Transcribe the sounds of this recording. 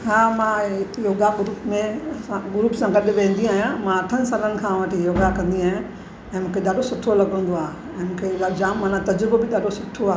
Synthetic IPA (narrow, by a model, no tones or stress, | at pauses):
ɦaːmãɪjoːɡaɡʊɾuːpmẽãɡʊɾuːpsãɡɐɗɪ̆ʋẽːn̆d̪iaːɦjãmãɐʈʰənɪ̆saːlənɪ̆kʰãʋɐʈʰijoːɡakɐ̃nd̪iaːɦjã | ɛ̃ːmũːkʰeɗ̪aːɖosʊʈʰolɐɡə̃nd̪oaː | ɛ̃ːmũːkʰead͡ʑaːmːaːnat̪ɐd͡ʑɾʊbbɪɗ̪aːɖosʊʈʰːoaːɦ